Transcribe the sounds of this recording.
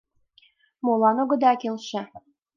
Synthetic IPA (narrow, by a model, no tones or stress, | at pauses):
molɑnoɡɤ̆d̪ɑkelʃĕ